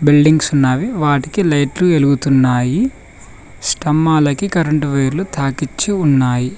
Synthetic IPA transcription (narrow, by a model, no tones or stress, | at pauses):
bilɖiŋɡsunːaːʋiʋaːʈikilɐjʈlueluɡut̪unːaːji | sʈɐmːaːlɐkikɐɾɐɳʈʋɐjɾlut̪ʰaːkit͡ʃːiunːaːji